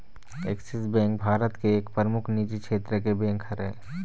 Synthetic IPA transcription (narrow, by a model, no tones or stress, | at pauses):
eksisbɛ̃ːŋkbʱaːɾət̪keːkpəɾmukʰnid͡ʒikʃʰeːt̪ɾəkebɛ̃ːŋkʰhəɾḛ̃ː